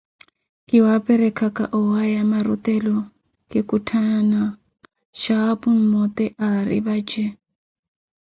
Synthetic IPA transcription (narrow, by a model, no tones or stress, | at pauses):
kɪwapʼɛɾɛkʰakʼa̰ʔɔwajamarṵt̪ɛlɔ | kʼɪkʼutʰanana | ʃapun̩mɔt̪ɛʔaɾḭβad͡ʒɛ